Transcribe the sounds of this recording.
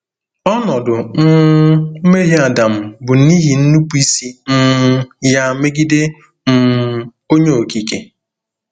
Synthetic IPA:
ɔ˦nɔ˨dʊ˨n̩˦ | me˦ɦi˦a˨da˨m̩˦˨bʊ˨ni˦ɦi˨n̩˦nu˦pi˦si˦m̩˦ja˦˨me˦ɡi˦de˦ | m̩˦ | o˦ɲe˦o˨ki˨ke˨

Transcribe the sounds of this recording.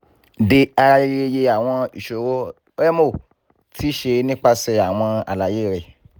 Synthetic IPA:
de˧a˧ɾa˧je˧˦e˧je˧a˨w̃ɔ̃˧ḭ˨ʃo˨ɾo˦ | ɾɛ˦mo˦˨ | tʰi˦ʃe˧nĩ˦k͡pa˧sɛ˧a˨w̃ɔ̃˧a̰˨la˨je˦˨ɾɛ˨

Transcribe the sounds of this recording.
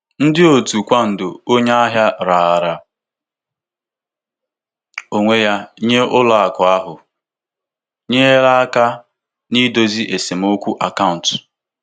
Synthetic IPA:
n̩˦dɪ˦o˨tu˨kʷa˦n̩˨dʊ˨o˦ɲa˦a˦ɦja˦ɾa˨a˨ɾa˨ | o˨ŋʷe˦ja˦ɲe˦ʔʊ˦la˨a˨kʊ˨a˦ɦʊ˨ | ɲe˦e˦ɾa˦a˦ka˦ | ni˦do˨zi˦ʔe˨si˨m̩˦o˦kʷu˦ʔa˨ka˦ʊ˨n˨t

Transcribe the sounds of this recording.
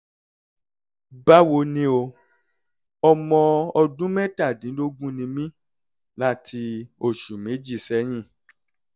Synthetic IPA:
ba˦wo˧nĩ˧˦o˧ | ɔ˧mɔ̃˧ɔ˧dũ˦mɛ̃˦ta˦˨dĩ˨˦lo˦ɡũ˦nĩ˧mĩ˦ | la˦tʰi˧o˨ʃu˨me˨˦d͡ʒi˦˨sɛ˨˦j̃ĩ˦˨

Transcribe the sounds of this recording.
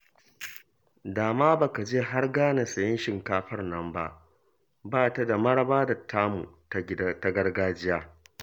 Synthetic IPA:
daː˨maː˦ba˨ka˨d͡ʒeː˦ɦa˦rɡaː˦na˨sɐ˨jɪ˦nʃɪ˨ŋkaː˦ɸɐ˦rnɐ˨mba̰˦ʔ | baː˦ta˨da˨mɐ˦ɽɐ˦baː˦da˨tʰːaː˦mṵ˨˦ | ta˦ɡɐ˦ɽɡaː˦d͡ʒɪ˦jaː˦

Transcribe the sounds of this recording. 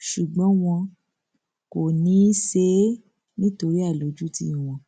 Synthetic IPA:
ʃu˨ɡ͡bɔ̃˨˦w̃ɔ̃˧ | ko˨nĩ˨˦ʃe˦ | nĩ˦to˧ɾi˦a˦˨lo˨˦d͡ʒu˦ti˧˦ĩ˨w̃ɔ̃˧˦

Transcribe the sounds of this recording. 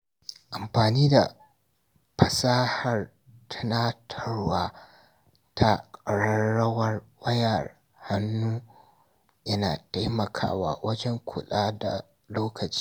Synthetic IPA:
ʔa˨mɸaː˨niː˦da̰˨ | ɸɐ˨saː˦ha˨r | tʰɐ̥˦naː˦tʰɐ˦rwaː˦ | tʰa˦kʼɐ˨ɽɐ˦ɽɐ˦wɐ˦rwɐ˦jɐ˨r | ha˦nːuː˦ | jɐ˦na̰ː˨ta˦jmɐ˨kʰa̰ː˦wa̰ː˦˨wʔɐ˦d͡ʒɛ˦ŋkʷʰʊ̰˨ɗaː˦da̰˨ | loː˦kʰɐ˨t͡ʃi̥ː˦

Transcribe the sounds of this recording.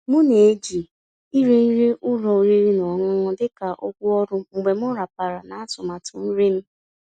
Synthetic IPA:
mʊ˦ne˨˦d͡ʒi˨ | i˦ɾi˦n̩˦ɾi˦ʔʊ˦ɾɔ˨ɾi˦ɾi˦nɔ˨ŋʊ˦ŋʊ˦dɪ˦ka˨ʔɔ˦kʷʊ˦ɔ˦ɾʊ˦ŋ͡m̩˨ɡ͡be˨m˦ʊ˦ɾa˨pa˨ɾa˨na˨a˦tʊ˨ma˨tʊ˨n̩˦ɾe˦m̩˦

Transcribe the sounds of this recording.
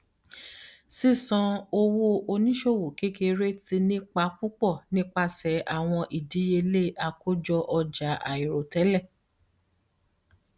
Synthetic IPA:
si˦˨sɔ̃˧o˧wo˦o˧nĩ˦ʃo˦˨wo˨ke˦ke˧ɾe˦ti˧nĩ˦k͡pa˧˦fu˦k͡pɔ˦˨nĩ˦k͡pa˧sɛ˨˦ʔa˦˨w̃ɔ̃˧ʔi˨di˨˦je˧le˦a˧ko˦d͡ʒɔ˧ʔɔ˧d͡ʒa˨˦a̰˨i˨ɾo˨tɛ˨˦lɛ˦˨

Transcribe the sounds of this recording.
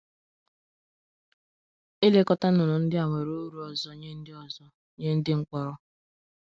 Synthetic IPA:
e˦le˦kɔ˦ta˦n˦ʊ˨nʊ˨n̩˦dɪ˦a˨ŋʷe˨ɾo˦ɾu˨˦ɔ˨zɔ˦ɲe˦n̩˦dɪ˦ɔ˨zɔ˦ | ɲe˦n̩˦dɪ˦ŋ̩˦kʷɔ˨ɾɔ˦

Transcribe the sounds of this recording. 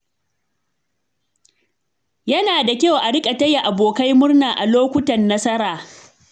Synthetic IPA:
jɐ˦naː˨da˨kʲa˦wʔa˨ɽɪ˦kʼa˨tɐ˦ja˨ʔa˨boː˨ka˦jmʊ˦rnaː˨ʔa˨loː˦kʷʊ˦tɐ˨nːɐ˦sɐ˦ɾaː˨

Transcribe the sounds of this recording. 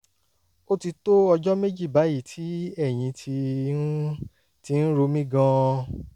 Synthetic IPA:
o˦ti˧to˦ɔ˧d͡ʒɔ˦me˦d͡ʒi˦˨ba˨˦ji˦˨tʰi˨˦ɛ˦˨j̃ĩ˧tʰi˧˦ | ti˧n̩˦ɾo˧mĩ˦ɡã˧

